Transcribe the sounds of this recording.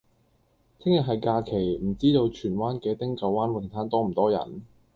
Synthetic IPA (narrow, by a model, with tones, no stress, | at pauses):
t̪ʰɪ˥ŋjɐ˨˩ɦɐ˨jkaː˧kʰe˨˩jm̩˨˩t͡siː˥t̪o˧wt͡ʃʰyː˨˩nwaː˥nkɛː˨˥t̪ɪ˥ŋt͡sɐ˨waː˥nwɪ˨˩ŋt̪ʰaː˥nt̪ɔː˥m̩˨˩t̪ɔː˥jɐ̰˨˩n